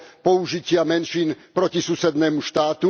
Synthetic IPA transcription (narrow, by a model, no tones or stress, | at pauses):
pɔuʒicɪamɛnʃiːnpɾɔcisusɛd̪nɛːmuʃt̪aːt̪u